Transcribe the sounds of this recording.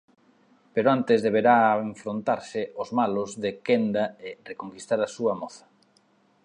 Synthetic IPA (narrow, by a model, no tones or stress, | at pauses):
peɾoant̪ɪzðeβ̞eɾaeɱfɾont̪aɾsɪozmalʊzðekend̪aɪrekoŋkist̪aɾasuɐmɔθɐ̥